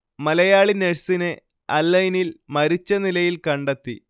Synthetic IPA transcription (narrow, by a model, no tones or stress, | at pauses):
mɐlɐjaːɭineɻsine | ɐlːɐjnilmɐɾit͡ɕːɐnilɐjilkɐɳɖet̪ːi